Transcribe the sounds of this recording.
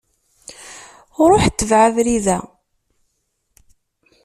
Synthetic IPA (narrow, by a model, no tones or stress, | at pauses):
ʊɾˤʊħt͡s̪ːəvʕavɾiðæ